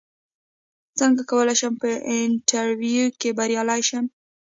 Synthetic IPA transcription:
t͡səŋɡakawəlajʃəmpəɪɳʈʰaɾwjukebaɾjɑlajʃəm

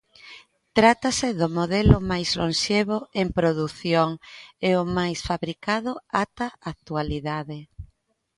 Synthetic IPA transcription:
t̪ɾat̪asɪðʊmoðɛlʊmajzlõnʃeβoempɾoðuθjoŋeʊmajsfaβɾikaðʊat̪aak̚t̪ualiðaðe

